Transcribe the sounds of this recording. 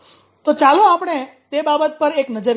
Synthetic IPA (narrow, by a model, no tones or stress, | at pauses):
t̪ot͡ʃaloapɽ̃et̪ebabət̪̚pəɾeknəd͡ʒəɾ